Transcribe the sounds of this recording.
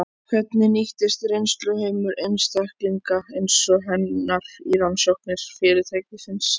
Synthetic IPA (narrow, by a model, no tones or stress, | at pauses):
kʰvɛt̪nɪniht̪ɪst̪rejnst̪lʏhemʏɾejnst̪ahkliŋkaejnsɔɦɛnːaɾ̥ilanːsɔhknɪɾ̥fɪːɾɪt̪ʰajcɪsɪns